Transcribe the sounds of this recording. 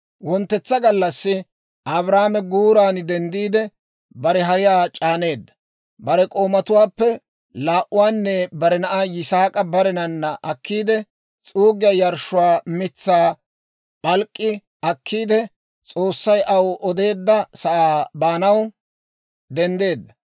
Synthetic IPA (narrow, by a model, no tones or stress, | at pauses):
wɔnt̪ːɛt͡sːɐɡɐlːɐsːɪ | ʔɐbɾaːmɛɡuːɾaːnd̪ɛnd̪iːd̪ɛ | bɐɾɛɦɐɾɪjaːt͡ʃʼaːne̞ːd̪ːɐ̥ | bɐɾɛkʼo̞ːmɐt̪ʊwaːpːɛ | laːʔʊwaːnːɛbɐɾɛnɐʔajɪsaːkʼɐbɐɾɛnɐnːɐʔɐkːiːd̪ɛ | t͡sʼuːɡɪjɐjɐɾʃʊwaːmɪt͡sːaː | bɐlkʼːɪ | ɐkʰːiːd̪ɛ | t͡sʼo̞ːsːɐjʔɐwʔɔd̪e̞ːd̪ːɐsɐʔaːbaːnɐw | d̪ɛnd̪e̞ːd̪ːɐ